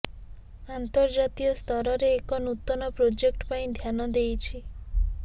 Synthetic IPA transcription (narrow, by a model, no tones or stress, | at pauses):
ant̪ɔɾd͡ʒat̪iɔst̪ɔɾɔɾeːkɔnut̪ːɔnɔpɾod͡ʒek̚ʈpaĩd̪ʱjanɔd̪ejt͡ʃʰi